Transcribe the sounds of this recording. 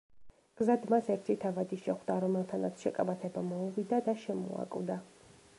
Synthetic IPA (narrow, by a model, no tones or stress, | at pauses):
ɡ̥zad̪masɛɾt̪ʰit̪ʰavad̪iʃɛχd̪aɾɔmɛlˠt̪ʰanat̪sʰʃɛkʼabat̪ʰɛbamɔuvid̪ad̪aʃɛmṵa̰kʼvd̪a